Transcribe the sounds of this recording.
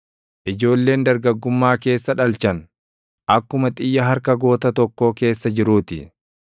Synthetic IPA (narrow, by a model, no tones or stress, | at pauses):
ʔɪd͡ʒo̞ːlːe̞ːnd̪ɐɾɡɐɡːʊmːaːke̞ːsːɐᶑɐlt͡ʃɐn | ʔɐkːʊmɐt̪ʼɪjːɐɦɐɾkɐɡo̞ːt̪ɐt̪ɔkːoːke̞ːsːɐd͡ʒɪɾuːt̪ɪ